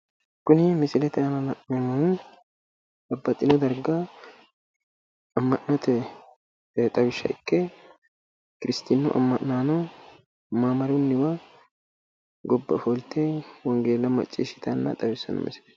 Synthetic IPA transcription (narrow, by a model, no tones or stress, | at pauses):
kʊnɪmɪsɪlɛt̪ɛɐnɐlɐʔːɛmɐn | bɐbːɐt̪ʼːɪnɔd̪ɐɾɡɐ | ɐmːɐʔnɔt̪ɛ | t̪ʼɐwɪʃːɐ̰ʔɪkːɛ | kɪɾɪst̪ɪnːʊʔɐ̰mːɐʔnaːnɔ | maːmɐɾʊnːɪwɐ | ɡɔbːɐ̰folt̪ːɛwɔŋɡeːlːɐmɐ̰t͡ʃʼːḭːʃɪ̥t̪ɐnːɐ̰t̪ʼɐbɪsːɐ̰nɐ̰mɪ̰sɪlɛ̥